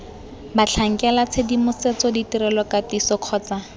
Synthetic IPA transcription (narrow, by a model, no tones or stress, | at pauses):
bat͡ɬʰaŋ̩kɛlat͡sʰedimʊset͡sɔditirɛlɔkatisɔq͡χʰɔːt͡sa